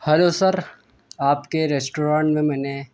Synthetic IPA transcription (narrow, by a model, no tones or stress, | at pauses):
hɐlosɐɾ | aːpkeɾeːsʈoːɾãːɳʈmẽmɛːne